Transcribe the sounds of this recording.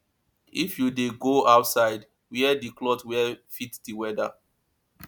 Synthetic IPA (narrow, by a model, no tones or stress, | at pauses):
ifjudeɡoaʊtsaɪd | wiɛdiklɔtwɛfitdiwɛda̰